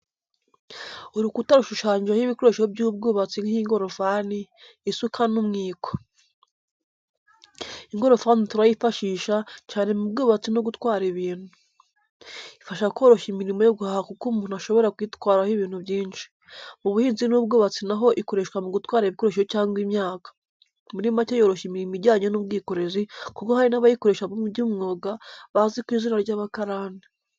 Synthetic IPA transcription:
uɾukutaɾuʃuʃaːɲɟɾahiβikoɾoʃihobjuːb̚ɡoːβat͡siŋihiŋɡo̞ɾofaniː | sukʰanumŋiːko̥ | iŋɡo̞ɾo̞fanituɾajifaʃiːʃacaːne̞mubɡoːβat͡sino̞ɡutwaːɾiβiːn̥hu | ifaʃakwo̞ːɾo̞ʃimiɾimo̞joɡuhahakukumuːnuhaʃo̞βo̞ɾakujitwaːɾahiβiːn̥huβjiːnʃi̥ | muβuhiːnzinuːbɡoβat͡sinaɦo̞ʔiko̞ɾe̞ʃkwamuɡutwaːɾeβikoɾeʃ̬eocaːŋɡwimɲaːkḁ | miɾimacejoɾo̞ʃimiɾimiɾɟaːɲonuːb̚ɡiːko̞ɾe̞zikukohaɾinaβajiko̞ɾe̞ʃaβomuɟuːmŋo̞ːɡaβazikwiːzinaɾɟaːβakaɾaːne

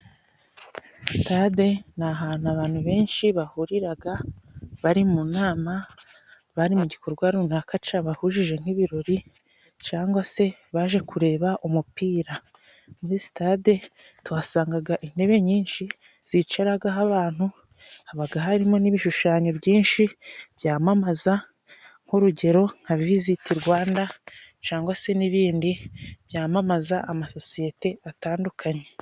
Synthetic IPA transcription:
si̥tade̞naɦaːn̥aβaːn̥huβe̞ːnʃiβahuɾiɾaɡaβaɾimunaːma | βaɾimuɟikʰoɾuɡwaɾunakat͡ʃaβahuʒiʒe̞ŋ̥iβiɾo̞ɾi | t͡ʃaːŋɡwase̞βaʒe̞kʰuɾe̞ːβaʔumupiːɾa | muɾisi̥tade̞ | twasaːŋɡaɡaʔin̥e̞βe̞ɲiːnʃi | z̥it͡ʃeɾaɡaɦaβaːn̥hu | haβaɡaɦaɾimo̞niβiʃuʃaːɲo̞bɟiːnʃiβ̥jaːmamaza | ŋ̥huɾuɟe̞ɾo̞ŋ̥havvizitiɾɡwaːnda | t͡ʃaːŋɡwase̞niβiːndiβ̥jaːmamazaʔamaso̞sije̞te̞ataːndukʰaɲe̞

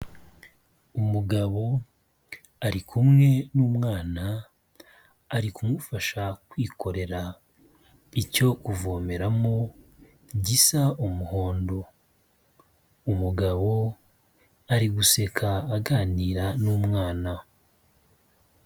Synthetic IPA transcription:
umuɡaβo̞ | aɾikʰumŋe̞nuːmŋaːna | ɾikumufaʃakwiːkʰo̞ɾe̞ɾa | ico̞kuvoːme̞ɾamo | ɟisaʔumuhoːndo̞ | umuɡaβo̞ | aɾiɡuse̞kʰaːɡaːniːɾanuːmŋaːna

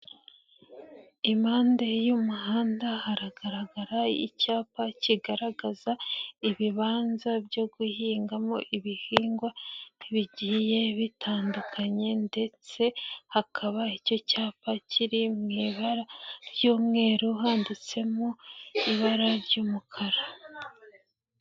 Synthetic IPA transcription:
imaːndejumuhaːndahaɾaɡaɾaɡaɾaḭcaːpaciɡaɾaɡazaiβiβaːnzabjo̞ɡuhiːŋɡamoʔiβihiːŋɡwaiβiɟije̞βitʰaːndukʰaɲe̞nde̞t͡se̞hakʰaβaico̞caːpacʰiɾimiβaɾaɾjuːmŋe̞ɾuɦaːndit͡se̞moiβaɾaɾjuːmukʰaɾa

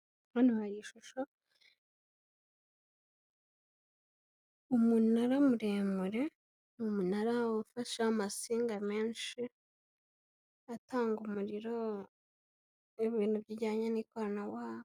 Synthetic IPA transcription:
ɾonihaɾiʃuʃo | umunuaɾamuɾeːmuɾe̞ | nmunaɾafaʃamasiːŋɡame̞ːnʃi | ataːŋɡumuɾiɾo | eβiːnhubɟiɟaːɲenikoɾanawaːβo

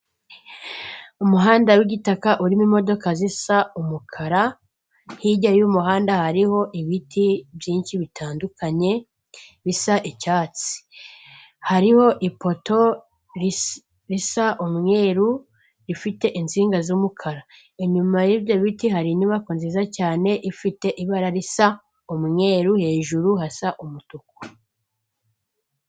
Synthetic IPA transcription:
umuɦaːndawiɡitakaʔuɾimimo̞do̞kazisaumukʰaɾa | hiɟajumuɦaːndahaɾiho̞ʔiβitʰibjiːnʃiβitʰaːndukʰaɲe̞ | βisaʔicaːt͡si̥ | haɾiho̞ʔipo̞to̞ | ɾ | ɾisaʔumŋe̞ːɾu | ɾifite̞ʔinziːŋɡazumukʰaɾa | eɲumajivjo̞βitiɦaɾiniβakonzizacaːne̞ʔifite̞ʔiβaɾaɾisa | umŋe̞ːɾuhe̞ːʒuɾuhasaʔumutuko̥

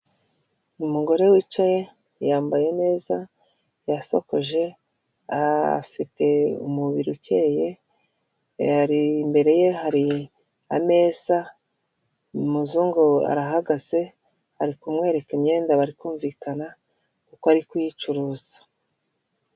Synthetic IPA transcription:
umuɡo̞ɾe̞wiːt͡ʃaje | jaːmbaje̞ne̞ːza | jaso̞̰ko̞ʒe̞ | a̰fitʰe̞ṵmuβiɾuce̞ːje̞ | aɾimbe̞ɾe̞je̞ɦaɾi | ame̞ːz̥a | muzuːŋɡoa̰ɾaɦaɡaz̥e̞ | haɾikumŋe̞ːɾe̞kimɲe̞ːndaβaɾikuːɱviːkana | kukoaɾikujit͡ʃuɾuːz̥ḁ

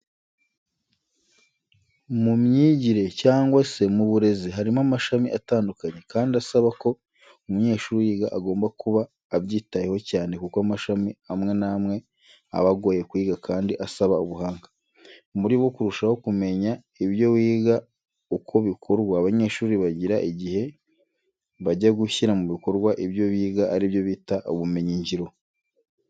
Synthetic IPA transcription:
mumɲiːɟiɾe̞caːŋɡwase̞muβuɾe̞ziɦaɾimamaʃamiʔataːndukaɲe̞kaːndiasaβako̞ | umuɲe̞ːʃuːɾijiːɡaʔaɡo̞ːmbakuβaː | βɟiːtajeho̞caːne̞kukoamaʃamiamŋe̞namŋe̞ | a̰βaɡo̞je̞kwiːɡakʰaːndiʔasaβauβuɦaːŋɡa | muɾiβwokuɾuʃaho̞kume̞ɲa | iβjo̞wiːɡa | ukʰo̞βikʰoɾɡwaːβaɲe̞ːʃuːɾiβaɟiɾaʔiɟihe̞ | βaɟaɡuçiɾamuβiko̞ɾɡwaʔiβjo̞βiːɡaʔːɾiβjo̞βiːtaʔoβume̞ɲiɲɟiɾo̞

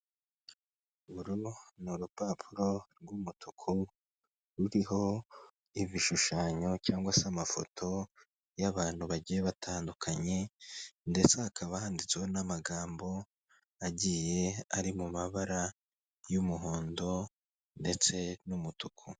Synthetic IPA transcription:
uɾunuɾupapʰuɾo̞ɾɡumutʰukʰu | ɾuɾiɦo̞ | iviʃuʃaːɲo̞caːŋɡwasamafo̞̰tʰo̞ | jaβaːn̥huβaɟijeβatʰaːndukʰaɲe̞nde̞t͡seakʰaβahaːndit͡seonamaɡaːmbo̞ | aɟije̞aɾimumaβaɾa | jumuɦoːndo̞ | nde̞t͡se̞numutukʰu

